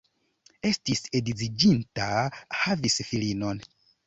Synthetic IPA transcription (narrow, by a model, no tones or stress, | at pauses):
e̞stise̞dizid͡ʒintahavisfilino̞n